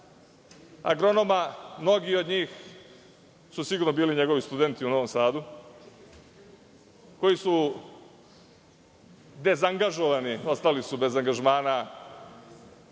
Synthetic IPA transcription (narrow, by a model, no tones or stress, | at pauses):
a̰ɡɾo̞nomamno̞ɡio̞d̪ɲiːx | susiɡuɾnobiːliɲe̞ɡo̞ʋist̪ud̪e̞nt̪iuno̞ʋo̞msaːd̪u | ko̞jisu | d̪e̞zaŋɡaʒo̞ʋanio̞st̪alisube̞zaŋɡaʒmaːna